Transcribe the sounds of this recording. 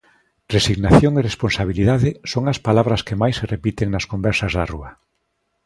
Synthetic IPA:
resiɣnaθjoŋeresponsaβiliðaðɪsoŋɐspalaβ̞ɾɐskemajsːerepit̪eŋnɐskombɛɾsɐzðaruɐ

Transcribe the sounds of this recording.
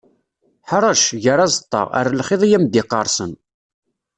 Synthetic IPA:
ħɾˤɑʃʝəɾɑzˤət̪ˤːɑ̰ʁə̰ɾlχɪðˤijæmd̪ɪqːɑɾˤsən

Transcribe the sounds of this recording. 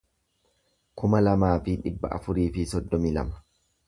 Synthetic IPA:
kʊmɐlɐmaːfɪᶑɪbːɐ̰ʔɐ̰fʊɾiːfɪsɔd̪ːɔmiːlɐ̰mɐ̥

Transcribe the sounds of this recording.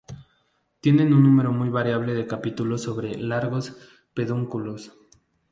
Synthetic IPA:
t̪je̞nẽ̞nũnːũme̞ɾo̞mujβaɾjaβ̞le̞ðe̞kapit̪ulo̞so̞βɾe̞laɾɣo̞s | pe̞ðuŋkulo̞s

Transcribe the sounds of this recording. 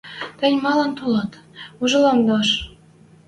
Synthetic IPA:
t̪ɘ̆nʲmɑlɑnt̪olɑt̪uʒɤ̆lɑmd̪ɑʃ

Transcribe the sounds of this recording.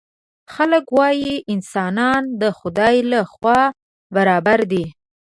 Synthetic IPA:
xaləkwɑjiʔɪnsɑnɑnd̪əxʊd̪ɑjlaxwɑ | baɾɑbaɾd̪i

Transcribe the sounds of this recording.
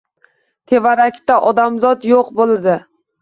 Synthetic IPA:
t̪ʰe̞vaɾakʲt̪aʔɒd̪amzɒt̪joqbolˠad̪ɪ

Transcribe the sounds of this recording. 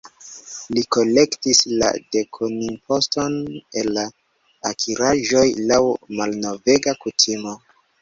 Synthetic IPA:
liko̞le̞ktisla̰de̞kʰoninpʰo̞sto̞nelːaː | kʰiɾaʒo̞jlawmalno̞ve̞ɡakutʰimo̞

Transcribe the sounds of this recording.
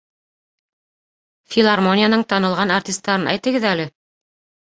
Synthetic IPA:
fʲilˠarmonʲɪjanɤɴt̪ɑnɤ̆lˠʁɑnartʲist̪ːɑɾɤnʔæ̰jt̪ɘ̆ɡɘðælɘ

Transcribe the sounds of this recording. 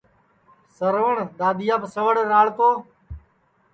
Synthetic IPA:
səɾʋəɳd̪aːd̪ɪjaːpsəʋəɽɾaːɭk̪oː

